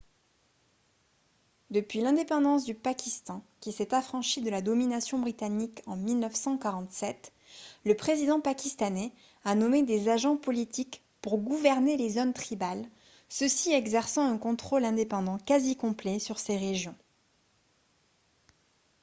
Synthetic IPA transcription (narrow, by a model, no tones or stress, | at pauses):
d̪əpɥilɛ̃d̪epɑ̃d̪ɑ̃s̬d̪ypakʲist̪ɑ̃kʲisɛt̪afχɑ̃ʃid̪əlad̪ɔminasjɔ̃bʁit̪anikɑ̃milnœfsɑ̃kaʁɑ̃t̪sɛt̪ | ləpχezid̪ɑ̃pakʲist̪anɛ | anɔmed̪ezaʒɑ̃pɔlit̪ik | puʁɡuvɛʁnelezɔnt̪χibal | səsiɛɡzɛʁsɑ̃ɛ̃kɔ̃t̪χɔlɛ̃d̪epɑ̃d̪ɑ̃kazikɔ̃plɛsyʁseʁeʒjɔ̃